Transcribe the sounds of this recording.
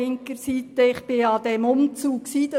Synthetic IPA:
ɪŋkəɾsit̪əɪχb̥ɪɑd̪ɛmʊmt͡suːkksiːd̥̪ɑ

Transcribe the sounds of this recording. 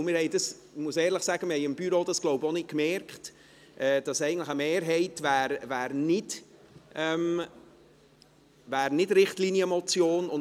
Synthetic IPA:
mɪɾhɛɪdɑs | muəsɛːɾləχsæɡ̥əmɪhɛɪɪmb̥yɾod̥ɑsɡ̥loʊbonɪt̚kmɛɾkχt | ʔɛd̥ɑsɛɪɡən̩tləχəmeːɾɦɛɪtvæːɾvæːɾnɪd | ɛm | væːɾnɪdɾɪχtlinjəmɔt͡sjoːnʊn

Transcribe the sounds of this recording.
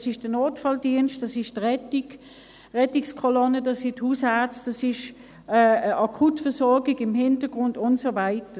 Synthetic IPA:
sɪʃd̥ənoːtfɑldiənʃtd̥ɑsɪʃdʁɛtiɡ | ʁɛtɪkskʰɔlɔnədɑsithuːsaɐt͡sd̥ɑsɪʃ | əəʔɑkʰutfəsɔɐɡɪɡɪmhɪntəɡ̥ʁʊndʊntsovaɪtə

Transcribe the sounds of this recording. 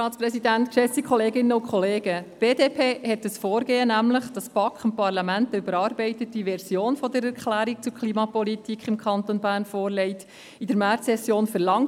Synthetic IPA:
ɑːt͡spɾɛsidæntkʃɛsikʰɔleːɡɪnːəʊnkχɔleːɡ̥əb̥eːdeːpʰeːhɛt̚dəsfoːɾɡ̥eːənæmləχd̥ɑspɑkχəmpɑɾlɑmæntybəɾɑːɾbɛɪtət̚d̥iʋɛɾsjoːnfɔdəɾɛrkχlæːɾik̚t͡sukχliːmɑpɔlitikχɪmkʰχɑntonbæːɾnfoːɾlɛɪt | idəɾmæɾsɛsjoːnfəɾlɑŋ

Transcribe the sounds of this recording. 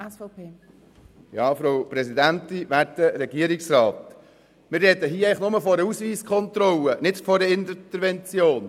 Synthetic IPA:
ɛsfpʰeː | jɑːfɾowpɾɛsid̪ænt̪iʋæɾtəɾɛɡ̥iəɾɪksɾɑːt̪ | mɪɾrɛd̥̪əɦiːəɛɪχnʊməfɔɾəusʋiːskʰɔnt̪ɾɔlənɪtfɔdəɪntt̪əɾʋɛnt͡sjoːn

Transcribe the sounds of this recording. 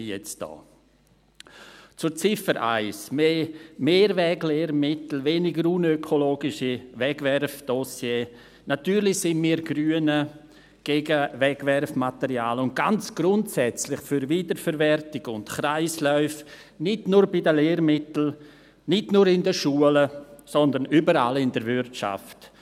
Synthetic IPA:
jɛt͡sd̥ɔ̰ː | t͡sʊɾt͡sɪfəɾʔa̰ɪsmeːmeːɾvɛɡleːɾmɪtl̩veːnɪɡəɾunøkʰoloːɡɪʃivɛɡvɛɾfd̥osjeː | natyːɾlɪçsɪnmiːɾɡɾyːənə | ɡ̥eɡəvɛɡvɛɾfmatɛɾjaːlʊnt̚ɡ̥ant͡sɡ̥ɾʊntsɛt͡slɪχfyɾviːdəɾfɛɾvɛrtɪɡʊntχɾaɪslœʏf | nɪdnʊːɾbɪdəleːɾmɪtl̩ | nɪdnuɾɪndəʃuələsɔndənyːbəɾa̰lɪndəɾvɪɾtʃa̰ft

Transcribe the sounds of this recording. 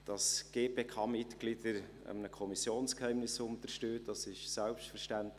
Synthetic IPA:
d̥ɑsɡ̥eːpeːkʰɑːmɪtɡ̥lid̥əɾ | ə̰mənəkʰɔmisjoːnskhɛɪmnɪsʊntəɾʃtøːtd̥ɑsɪʃsɛlpʃtfəɾʃtænt

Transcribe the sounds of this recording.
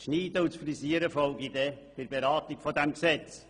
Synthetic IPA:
ʃniːdəʊt͡sfrisiəɾəfɔlɡid̪epɪɾbeɾaːtikfodɛmksɛt͡s

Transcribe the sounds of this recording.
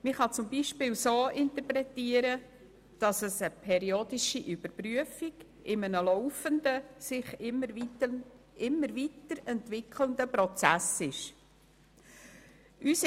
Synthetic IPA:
mɪχɑt͡sʊmbiʃpɪːlsoːɪntəpɾɛtiːəɾə | d̥ɑsəsəpʰɛɾioːdɪʃiʔybəɾpryəfiɡ | ɪmənəlɔʊfəndəsɪχə | ɪmːəɾvitəɾɛntvɪkʰləndəpɾɔt͡sæsɪʃ | ʔys

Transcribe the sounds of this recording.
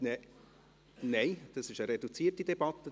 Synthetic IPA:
nɛ | neɪd̪̥ɑsɪʃəɾed̪ut͡siːərtid̥̪ɛb̥ɑt̪ːə

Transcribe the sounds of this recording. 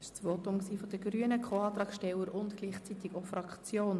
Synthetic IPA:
ɪʃt͡sʋotʊmksiːfɔd̥̪əɡɾyənəkʰχoːɑːt̪ɾɑːkʃtɛləɾʔʊntɡliːχt͡sit̪ɪkofɾɑkt͡sjoːn

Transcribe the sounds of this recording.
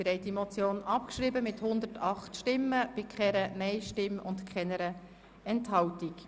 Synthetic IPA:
ɾɛɪtimɔt͡sjoːnɑp̚kʃɾiːbəmɪthʊnd̪ətɑχtʃtɪmːəb̥ɪkʰχɛɾənɛɪʃtɪmʊ̰ntkχɛnəɾə | ɛnthɑwtik

